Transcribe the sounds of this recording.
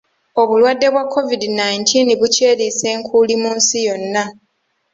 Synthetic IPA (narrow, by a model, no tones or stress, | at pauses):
o̞βulwadːe̞βwakʰːo̞vidinajintʰiniβuce̞ːɾise̞ːŋkʰulimuːnsijo̞nːa